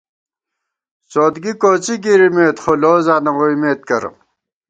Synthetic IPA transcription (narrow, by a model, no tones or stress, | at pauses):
soːd̪ɡikoːt͡siɡiɾimeːt̪χoloːzaːnɐwoimeːt̪̚kɐɾ̰